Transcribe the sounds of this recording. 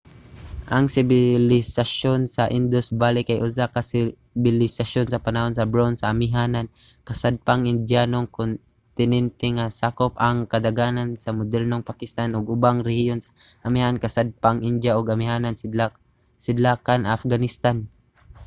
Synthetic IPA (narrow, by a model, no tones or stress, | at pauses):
ʔɐŋsɪbɪlɪsaʃonsɐʔɪnd̪osbaːlɪkajʔʊsakasɪ | bɪlɪsaʃonsɐpanaho̞nsɐbɾonsɐʔːmɪɦaːnankɐsad̪̚paŋɪnd̪janoŋkon | t̪ɪnɛnt̪ɛŋasaːkopɐŋkɐd̪aɡaːnansɐmʊd̪ɛlnoŋpakɪst̪anʊɡʊbaŋɾɛhijonsaʔamɪhankɐsad̪̚paŋʔɪnd̪jaʔoɡɐmɪɦaːnan | sɪd̪lakanaːfɡanɪst̪an